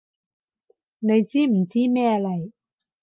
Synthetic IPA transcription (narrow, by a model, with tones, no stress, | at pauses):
na˧jt͡siː˦˥m̩˨˩˦t͡siː˦˥mɛː˥˩˨la˨˧˩j